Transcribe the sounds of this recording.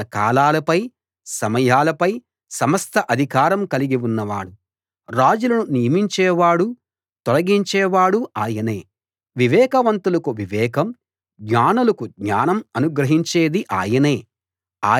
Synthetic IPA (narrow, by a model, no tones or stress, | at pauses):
ɐkaːlaːlɐpɐj | sɐmɐjaːlɐpɐj | sɐmɐst̪ʰɐʔɐd̪ʱikaːɾɐmkɐliɡiwunːɐʋa̰ːɽu | ɾaːd͡ʒulɐnunijɐmiɲt͡ʃɛːʋaːɽu | t̪ɔlɐɡiɲt͡ʃɛːʋaːɽuaːjɐne̞ː | ʋiʋɛːkɐʋɐnt̪ulɐkuʋiʋɛːkɐm | ɡɲaːnulɐkuɡɲaːnɐmɐnuɡɾɐɦiɲt͡ʃeːd̪iʔaːjɐneː | aː